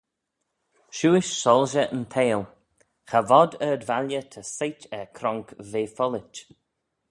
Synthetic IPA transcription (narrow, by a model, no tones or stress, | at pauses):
ʃuːɪʃsɔlˠʒəʔənt̪ʰeːl | xavɔd̪əd̪valjət̪ʰəsejtɛɹkʰɾɔŋkveːfɔlɪt͡ʃ